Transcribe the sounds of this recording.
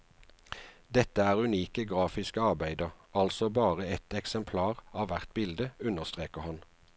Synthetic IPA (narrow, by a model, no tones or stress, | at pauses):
d̪ɛt̪əæːʁʉniːkəɡʁɑːfɪskəɑʁbæɪd̪əʁɑlsɔbɑːʁəɛt̪ɛksɛmpʰlɑːʁɑːʋʋæʁt̪̚bɪld̪əʉnəʁst̪ʁeːkəʁhɑn